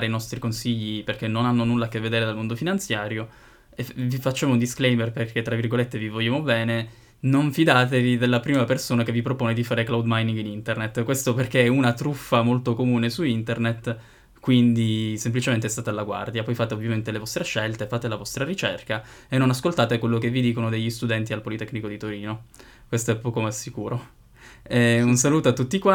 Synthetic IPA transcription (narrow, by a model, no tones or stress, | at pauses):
ɾeinɔst̪ɾikonsiʎːiperkenːonanːonulːaːk̟ːevːed̪eːɾed̪almond̪ofinant̪sjaːɾjo | evifat͡ʃːaːmound̪isklejmerperkʰet̪ːɾavːirɡolet̪ːevivoljaːmobɛːne | noɱfid̪aːt̪evid̪elːapɾiːmapersoːnakevːipɾopoːned̪ifaːɾeklawd̪majniŋɡinint̪ernet̪ːkwest̪operkeɛunat̪ɾufːamolt̪okomuːnesuint̪ernet̪ | kwind̪isemplit͡ʃement̪eɛst̪aːt̪alːaɡwa̰rd̪japɔjfaːt̪eovːjament̪elevɔst̪ɾeʃːelt̪efaːt̪elavɔst̪ɾaɾit͡ʃerkaenːonaskolt̪aːt̪ekwelːokevːid̪iːkonod̪eʎːist̪ud̪ɛnt̪ialpolit̪ɛkːnikod̪it̪oɾiːno | kwest̪oɛpːɔːkomeasːikuːɾo | ɛunsaluːt̪oat̪ːut̪ːikwa